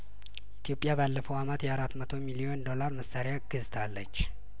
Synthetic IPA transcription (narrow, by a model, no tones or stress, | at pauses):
ʔit̪ʰjo̞pʼjabalːəfəwamət̪jɛaɾat̪ːmət̪ʰo̞milio̞nd̪o̞laɾməsaɾjaɡ̥ɨzt̪ʰalːət͡ʃː